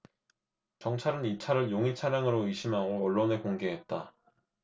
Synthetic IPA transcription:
t͡ɕʌŋt͡ɕʰaɾɯnit͡ɕʰaɾɯɭjoŋit͡ɕʰaɾjaŋɯɾoɯɕʰimɦaɡoʌɭːone̞koŋɡe̞ɦe̞t̚t͈a

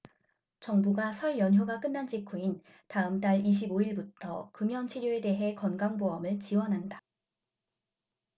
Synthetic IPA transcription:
t͡ɕʌŋbuɡasʰʌɭjʌnjoɡak͈ɯnːand͡ʑikʰuin | taɯmt͈aɭiɕ̬ʰiboiɭbutʰʌ̰kɯmjʌnt͡ɕʰiɾjoe̞de̞ɦe̞kʌnɡaŋboʌmɯɭt͡ɕiwʌnɦanda

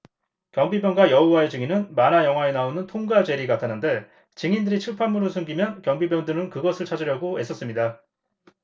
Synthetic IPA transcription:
kjʌŋbibjʌnɡwajʌuwaed͡ʑɯŋinɯnmanajʌŋɦwaenaonɯntʰoŋɡad͡ʑe̞ɾiɡatʰanɯnde̞ | t͡ɕiŋindɯɾit͡ɕʰiɭpʰamuɾosʰɯŋɡimjʌnkjʌŋbibjʌndɯɾɯnkɯɡʌsʰɯɭt͡ɕʰad͡ʑɯɾjʌɡoes͈ʰʌs͈ɯmɲida

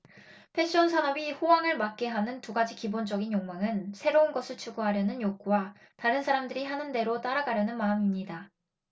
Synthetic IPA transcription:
pʰe̞ɕ͈ʰiʌnsʰanʌbiɸowaŋɯɭmak̚k͈e̞ɦanɯntuɡad͡ʑikibond͡ʑʌɡinjoŋmaŋɯnsʰe̞ɾounɡʌsʰɯɭt͡ɕʰuɡuɦaɾjʌnɯnjoɡuwa | taɾɯnsʰaɾamdɯɾiɦanɯnde̞ɾot͈aɾaɡaɾjʌnɯnmaɯmimɲida

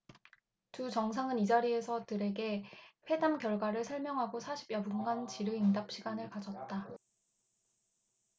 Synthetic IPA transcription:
tut͡ɕʌŋs̬ʰaŋɯnid͡ʑaɾie̞sʰʌtɯɾe̞ɡe̞ɸwe̞damkjʌɭɡwaɾɯɭsʰʌɭmjʌŋɦaɡosʰaɕʰi̥bjʌbunɡant͡ɕiɾɯindap̚ɕ͈ʰiɡanɯɭkad͡ʑʌt̚t͈a

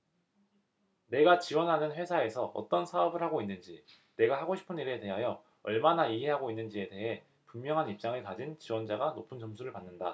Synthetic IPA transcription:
ne̞ɡat͡ɕiwʌnɦanɯnɸwe̞sʰae̞sʰʌʔʌ̰t͈ʌnsʰaʌbɯɭhaɡoinːɯnd͡ʑi | ne̞ɡahaɡoɕʰi̥pʰɯniɾe̞te̞ɦajʌ | ʌɭmanaiɦe̞ɦaɡoinːɯnd͡ʑie̞te̞ɦe̞ | pummːjʌŋɦanip̚t͡ɕ͈aŋɯkad͡ʑint͡ɕiwʌnd͡ʑaɡanopʰɯnt͡ɕʌmsʰuɾɯɭpanːɯnda

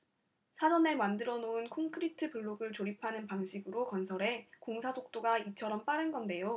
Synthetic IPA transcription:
sʰad͡ʑʌne̞mandɯɾʌnounkʰoŋkʰɯɾitʰɯpuɭːoɡɯɭt͡ɕoɾipʰanɯnpaŋɕʰiɡɯɾokʌnsʰʌɾe̞koŋsʰad͡ʑʰok̚t͈oɡait͡ɕʰʌɾʌmp͈aɾɯnɡʌnde̞jo

